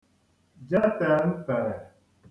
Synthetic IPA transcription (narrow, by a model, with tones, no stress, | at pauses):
d͡ʒa˦ta˨m̩˦fa˨ɾa˨